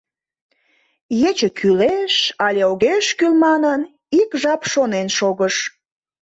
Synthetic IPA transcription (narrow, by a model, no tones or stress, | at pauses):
jet͡ɕəkʰyleʃɑlʲeoɣeʃkylmɑnən | ikʒɑpʃonenʃoɣəʃ